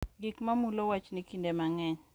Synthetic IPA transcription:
ɡikmamulowat͡ʃnikindemaŋɛɲ

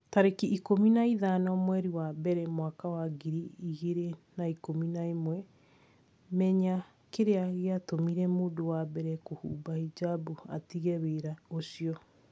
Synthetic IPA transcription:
taɾekiːkominaiðanɔmwɛɾiwabɛɾɛmwakawaɡiɾiiɣeɾenaikominaimwɛ | mɛɲa | keɾeaɣeatomiɾɛmoːdowabɛɾɛkohṵːbaid͡ʒabua̰tiɣɛweːɾaosiɔ

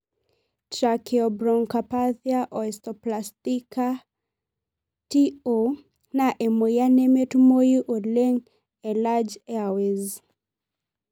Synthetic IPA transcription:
tɾakeɔbɾɔŋkapaθjaʔɔɛstɔplastika | tio | naʔɛmɔjanɛmetumojiʔoleŋ | ɛlad͡ʒɛawez

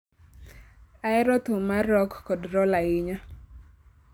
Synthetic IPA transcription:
aɛɾɔt̪ʊmaɾɔkːɔdɾɔlaɪɲɔ

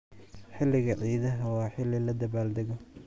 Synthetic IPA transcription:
ħɪlːɪɣɐʕiːðɐɦɐwɑːħɪlɪlɐd̪ɐβaːld̪ɛɣɔ

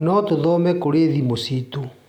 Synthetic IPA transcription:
nɔtoðɔmɛkoɾeðimositu

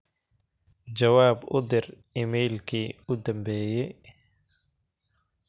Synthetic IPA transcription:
t͡ʃɐwaːbʊ̰d̪ɪr | imɛjlkʰiːʊd̪ɐmbɛːjɛj

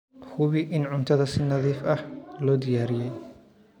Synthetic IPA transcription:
hʊβɪʔɪnʕʊnt̪ʰɐðɐsɪnɐðiːfɐhlɔːd̪ɪjaːɾɪjɛj

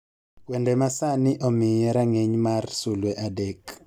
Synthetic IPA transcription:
wɛndɛmasanɪʔɔmɪjɛɾaŋeɲmarsulwɛʔadɛk

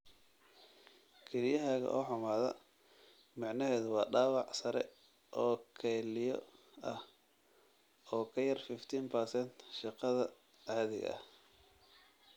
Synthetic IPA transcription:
kʰɛɾɪjɐɦaːɣɐ̰ʔɔːħʊmaːðɐ̰ | mɑʕnɐɦɛːðʊwɑːɖɑːwɑʕsɐɾɛ | ʔɔːkʰɛːlɪjɔ̰ɐh | ɔːkʰɐjɐrfɪft̪ʰiːnpʰɐɾsɛnt̪ʃɪqɑðɐ | aːðɪɣɐ̰ɐ̰h

